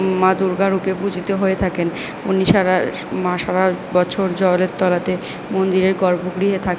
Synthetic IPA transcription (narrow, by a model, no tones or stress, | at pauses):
mad̪uɾɡaɾupepud͡ʑʱit̪eɦoet̪ʰaken | uniʃaɾa | mãʃaɾabɔt͡ɕʰoɾd͡ʑɔleɾt̪ɔlat̪e | mond̪iɾeɾɡɔɾbʱoɡɾiɦet̪ʰake